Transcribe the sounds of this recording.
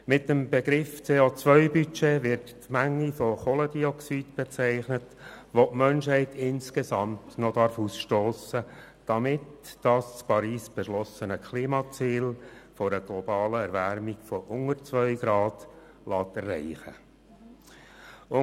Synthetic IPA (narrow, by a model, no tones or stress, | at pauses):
mɪt̚dəmbɛɡɾɪft͡seːot͡sʋœʏbyt͡ʃeːʋɪɾttmæŋːifɔχɔləd̥iɔksid̥b̥ɛt͡sæɪχnət | ʋoʔmœnʃhɛɪtʰɪnskesɑmtnɔd̥ɑɾfusʃtoːsə | d̥ɑmɪtd̥ɑst͡spɑɾiːsb̥ɛʃlɔsənəkχliːmɑt͡siːlfɔɾəɡ̥lɔbɑːləɛɾvæɾmiɡfɔʔʊŋəɾt͡sʋœʏɡ̥ɾɑːd̥ | lɑːtɛrːæ̰ɪχə̰ | ʊ